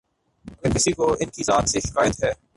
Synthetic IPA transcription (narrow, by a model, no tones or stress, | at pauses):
ɐɡəɾkɪsikoɪnkizaːt̪seʃɪ̥kaːjət̪ɦɛː